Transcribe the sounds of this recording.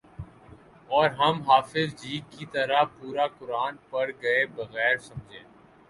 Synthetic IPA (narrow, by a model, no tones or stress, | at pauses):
ɔːɾɦɐmɦaːfɪzd͡ʒiːɡkit̪ɐɾapuːɾakʊɾaːnpɐɽɡɐebɐɣɛːɾsɐ̃md͡ʒʱḛ̃ː